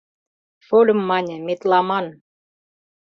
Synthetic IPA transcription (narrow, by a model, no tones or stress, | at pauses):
folʲə̆mːɑnʲə̆met̪lɑmɑn